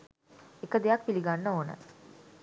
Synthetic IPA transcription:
ekəd̪ejakpiliɡanːəoːnə̰

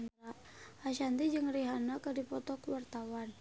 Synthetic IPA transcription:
na | ʔaʃant̪id͡ʒɨŋriɦanakədipɔt̪ɔkwart̪awan

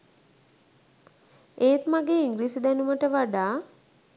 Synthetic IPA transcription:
eːt̪maɡeːiŋɡliːsed̪ɛnuməʈəʋaɖaː

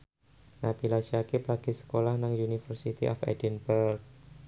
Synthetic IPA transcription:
nabilasjakɪplaɡ̥isə̥kolahnaŋjunifərsit̪ḭʔɔ̰fɛ̰dɛnbərk̚

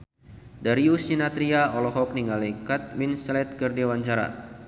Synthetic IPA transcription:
daɾiusninat̪ɾiaɔlɔɦɔk̚niŋalekat̪̚minslɛt̪̚kərdiwaɲt͡ʃaɾa̰

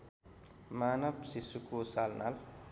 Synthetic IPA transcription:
manʌbsisukosalna̰l

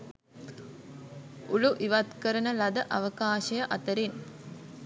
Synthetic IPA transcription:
uluʔiʋɐt̪kəɾənəlɐd̪əʔɐʋəkaːʃɐjəʔɐt̪əɾin

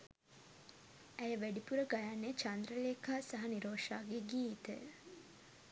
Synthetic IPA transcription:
æjəʋæɖipuɾəɡajanːet͡ʃand̪ɾəleːkaːsɐɦɐniɾoːʂaːɡeɡiːit̪ə̰

